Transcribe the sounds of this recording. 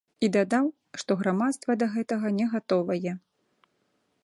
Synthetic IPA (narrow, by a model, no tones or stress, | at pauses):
id̪ad̪aw | ʂt̪ɔɣɾamat̪st̪vɐd̪ɐɣɛt̪ɐɣɐnʲɛɣat̪ɔvɐjɛ